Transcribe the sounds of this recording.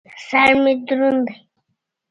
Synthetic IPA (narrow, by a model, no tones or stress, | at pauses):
saɾmɪd̪ʊɾʊnd̪aj